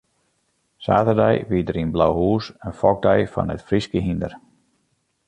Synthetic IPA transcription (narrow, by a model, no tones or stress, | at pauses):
sa̰ːtərdɛjʋiədəɾinblawɦuːsənfɔɡ̚dɛjfɔ̰nətfriskəɦindər